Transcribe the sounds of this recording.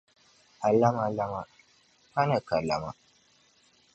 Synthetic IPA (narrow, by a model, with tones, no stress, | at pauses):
ʔa˨lːa˦ma˨la˦ma˨ | ha˦na˨ka˨lːa̰˨ma̰˦